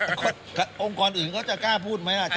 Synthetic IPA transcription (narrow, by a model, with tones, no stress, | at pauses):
kʰɔ˥˩ | ka˧˩ʔo˧ŋkɔː˧nʔɯː˨˩nkɔː˥˩t͡ɕa˨˩kaː˥˩pʰuː˥˩t̪̚ma˦˥jʔa˨˩t͡ɕ